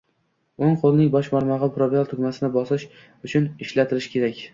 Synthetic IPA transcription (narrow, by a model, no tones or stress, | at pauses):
oŋqʰolˠnɪŋbɒʃmaɾmɑʁɨpʰɾovalˠt̪ʰʊɡʲmasɪnɪbɒsɪʃ | ʊt͡ʃʰʊnɪʃlat̪ʰɪɾɪʃkʲʰe̞ɾakʲ